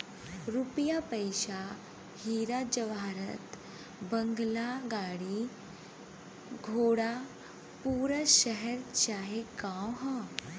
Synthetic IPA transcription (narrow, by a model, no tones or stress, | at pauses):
ɾupjapəjɕa | hiɾad͡ʑəʋaɾət̪ | bəŋɡlaɡaɽi | ɡʱoɽa | puːɾəɕəɦəɾt͡ɕaɦekãwɦɔ